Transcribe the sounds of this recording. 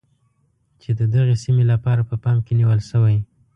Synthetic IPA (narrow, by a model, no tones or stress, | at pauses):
t͡ʃed̪əd̪aɣesimelapɑɾapəpɑmkeniwəlʃəwaj